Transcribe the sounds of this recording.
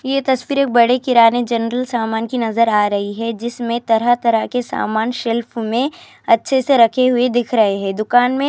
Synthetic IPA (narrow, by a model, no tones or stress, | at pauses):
jet̪ɐswiːɾeːk̚bɐɽekɪɾaːned͡ʒɐnɾəlsaːmaːnkinɐzəɾaːɾɐɦiɦɛd͡ʒɪsmẽt̪ɐɾat̪ɐɾakesa̰ːmaːnʃɪlfmẽ | ɐtːʃʰeseɾɐkʰeɦʊed̪ɪkʰɾɐɦeɦɛːd̪ʊkaːnmẽ